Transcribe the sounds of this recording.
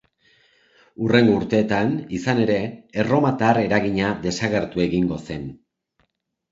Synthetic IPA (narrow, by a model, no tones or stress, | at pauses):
ure̞ŋɡouɾt̪e̞ːt̪anisane̞ɾe̞ːro̞mat̪aːre̞ɾaɣiɲad̪e̞saɣe̞ɾt̪ue̞ɣiŋɡo̞se̞n